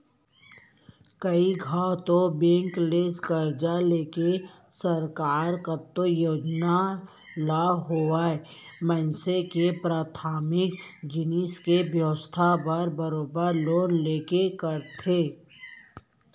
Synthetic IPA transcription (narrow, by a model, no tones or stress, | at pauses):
kəiɡʱaːt̪obẽːŋkleːskəɾd͡ʒaleːkesəɾkaːɾkət̪ːojoːd͡ʒna | laɦoaemɛ̃nsekepɾaːt̪ʰaːmɪkd͡ʒɪniskebjəʋəst̪ʰabəɾbəɾoːbəɾloːnleːkekəɾt̪ʰeː